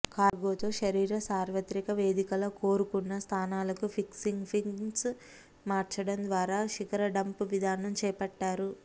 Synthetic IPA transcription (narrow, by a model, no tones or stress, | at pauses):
kaːɾɡoːt̪o̞ːʃɐɾiːɾɐsaːɾʋɐt̪ɾikɐʋe̞ːd̪ikɐlɐko̞ːɾukunːɐst̪ʰaːnaːlɐkupʰiksiŋɡpʰiŋs | maːɾt͡ʃɐɽɐnd̪ʋaːɾaːʃikɐɾɐɖɐmpuʋid̪ʱaːnɐmt͡ʃɛːpɐʈːaːɾu